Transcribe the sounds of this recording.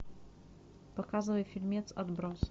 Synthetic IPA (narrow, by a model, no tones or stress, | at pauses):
pɐkazɨvəjfʲɪlʲmʲet̪sɐd̪bɾos